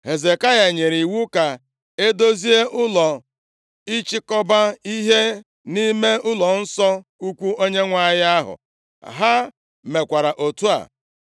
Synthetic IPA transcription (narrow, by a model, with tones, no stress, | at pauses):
ɦe˨ze˨ka˦ja˨ɲe˨ɾi˨wu˦ka˨ | e˦do˦zi˦e˦ʔʊ˦lɔ˨ | i˦t͡ʃɪ˦kɔ˦ba˦i˦ɦe˦ | ni˦me˦ʊ˦lɔ˨n̩˦sɔ˦u˦kʷu˦o˦ɲe˦ŋʷa˦ja˦ɦʊ̰˨ | ɦa˦ | me˨kʷa˨ɾa˨ʔo˨tu˦a̰˨